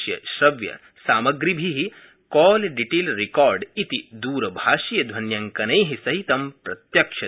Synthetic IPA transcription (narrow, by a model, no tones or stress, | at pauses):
jɐ̰ʃɾɐʋjɐ̰ | saːmɐɡɾibʱiɦi | kɔːlɖiʈeːlɾikɔːɾɖit̪id̪uːɾɐbʱaːʃijɐd̪ʱʋɐnjɐŋkɐnɐjɦisɐɦit̪ɐmpɾɐt̪jɐkʃɐ